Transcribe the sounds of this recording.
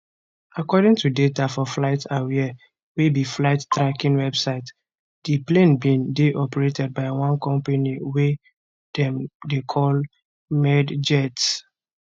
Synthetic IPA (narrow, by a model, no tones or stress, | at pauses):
akɔdɪ̃ŋtudetafɔflaɪtʰawiɛ | webiflaɪttɹakĩnwɛbsaɪt | diplẽnbĩndeʔɔpɛɹetɛd̚baɪwãnkɔ̃mpaniwɛ | d̥ɛ̃mdekʰɔl | mɛdd͡ʒɛts